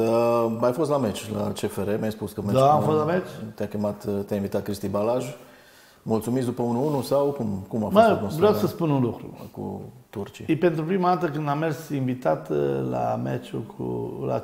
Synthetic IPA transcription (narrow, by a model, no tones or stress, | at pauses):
əajfost̪lamet͡ʃlat͡ʃefeɾemʲjajspuskəmed̪aamfost̪lamet͡ʃt̪jakʲemat̪t̪jainvit̪at̪̚kɾist̪ibalaʒ | mult̪sumit̪sd̪upəunuunusawkumkumafmakovɾjawsəspununlukɾṵkṵt̪urt͡ʃiaipent̪ɾupɾimad̪at̪əkɨnamersiɱvit̪at̪la̰mḛt͡ʃukʰṵla̰